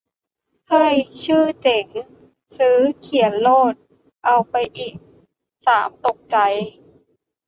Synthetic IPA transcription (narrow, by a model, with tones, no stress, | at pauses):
hʰɤː˧˥˩jt͡ɕʰɯː˥˩t͡ɕe˨˩˦ŋ | sɯː˦˥kʰi˨˩˦ə˦nloː˥˩t̪̚ | ʔa˧wpa˧jʔiː˨˩k̚ | saː˩˦mt̪o˨˩k̚t͡ɕa˧j